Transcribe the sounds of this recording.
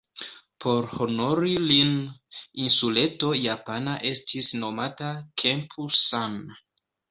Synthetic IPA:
pʰo̞ɾho̞noɾilininsule̞to̞japanaʔe̞stʰisno̞matakʰempʰusan

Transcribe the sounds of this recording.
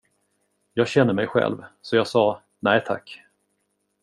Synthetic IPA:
jɑːɡɕɛnːəmɛjɧɛ̰lvsɔjɑːɡsɑː | næːt̪ʰa̰kː

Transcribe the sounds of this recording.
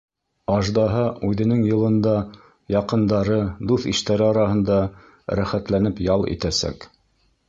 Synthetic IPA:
ɑʒd̪ɑɦɑʉðɘ̆nɘŋjɤ̆lˠɤ̆nd̪ɑ | jɑqɤ̆nd̪ɑɾɤd̪uθiʃt̪æɾɘɑɾɑɦɤ̆nd̪ɑ | ɾæχæt̪lænɘpjɑlˠḭt̪æsæ̰k

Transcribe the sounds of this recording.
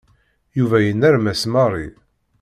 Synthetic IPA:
juvæjənːæɾmæsmɑrˤḭ

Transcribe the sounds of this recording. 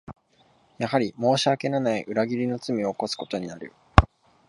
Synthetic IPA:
jahaɾʲimo̞ːɕiake̞nanaiʔɯ̟ɾaɡʲiɾʲino̞t͡sɨmʲio̞ko̞sɨ̥ko̞̥t̪o̞ɲ̟inaɾɯ̟̰

